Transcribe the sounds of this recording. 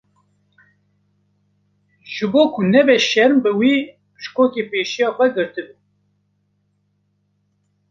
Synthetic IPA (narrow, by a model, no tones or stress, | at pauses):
ʒ̥ɨboːkʰʊnɛbɛʃɛɾmbɨwiː | pɨ̥ʃkoːkeːpeːʃijɑːxʷɛɡɨɾt̪ɨbu